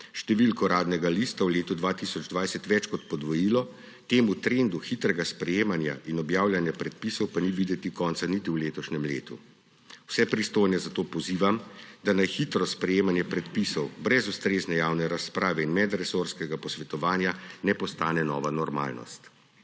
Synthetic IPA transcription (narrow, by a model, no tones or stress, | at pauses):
ʃt̪ɛʋilkɔɾaːd̪nɛɡalist̪awleːt̪ud̪ʋaːt̪isɔd͡ʒd̪ʋajsɛt̪ʋɛt͡ʃkɔt̪pɔd̪ʋɔjilɔ | t̪eːmut̪ɾend̪uxit̪ɾɛɡaspɾɛjeːmanja̰ʔinɔbjaːwljanjɛpɾɛt̪̚pisɔwpaniʋid̪ɛt̪ikɔːnt̪sanit̪iwleːt̪ɔʃnɛmlḛːt̪ṵ | wsɛpɾist̪oːjnɛzat̪oːpɔziːʋamd̪anajxit̪ɾɔspɾɛjeːmanjɛpɾɛt̪pisɔwbɾɛzust̪ɾeːznɛjaːwnɛɾaspɾaːʋɛinmɛd̪ɾɛsoɾskɛɡapɔsʋɛt̪ɔʋaːnjanɛpɔst̪aːnɛnɔ̰ːʋanɔɾma̰ːlnɔ̰st̪